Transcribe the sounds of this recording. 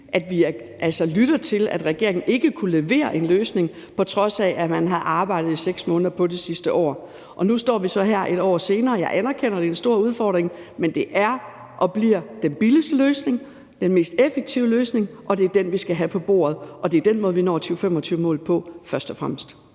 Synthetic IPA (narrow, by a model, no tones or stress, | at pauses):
ʔæd̥ʋiɐ | ʔælsɒlyɾ̥ɐt͡sʰe̝læ̰d̥ʁɛɡ̥e̝ɐe̝ŋn̩ʔe̝ɡ̥əkʰule̝ʋe̝̰ːɐʔe̝nløːsne̝ŋ | pʰɒ̽t͡sʰʁɒ̽sɛʔæmænɦæð̩ˠʔɑ̈ːb̥ɑ̈ɪ̰d̥ð̩ˠiseɡ̥smɔ̽ːnðˠɐpʰɒ̽d̥isisd̥əʔɒ̰ː | ʔɒ̽nusd̥ɒ̰ːʋisɒ̽ɦæɐ̰ʔe̝ɾ̥ɒ̰ːse̝ːnɐːjɑ̈ɪʔænɐkʰen̰ɐd̥e̝ensd̥o̝ɐ̰uð̞ˠfɒːd̥ʁeŋmend̥e̝ʔæɐ | ʔɒ̽b̥liɐ̰d̥enb̥iləsd̥əløːsne̝ŋ | d̥enme̝ːsd̥efeɡ̥̚t͡sʰiʊəløːsne̝ŋʔɒ̽d̥e̝æɐd̥enʋisɡ̥æɦæpʰɒ̽b̥o̝̰ːɐðˠʔɒ̽d̥e̝æɐd̥enmɔːðˠʋinɒ̰ːt͡sʰyːʊfemɒ̽t͡sʰyːʊəmɔ̰̽ːlˠpʰɒ̽fɶɐsd̥ɒfʁamsd̥